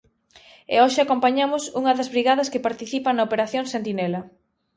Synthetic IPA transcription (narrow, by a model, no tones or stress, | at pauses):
ḛoʃɪakompaɲamʊsuŋɐðɐzβɾiɣaðɐskepaɾt̪iθipɐŋnɐopeɾaθjoŋsent̪inɛlɐ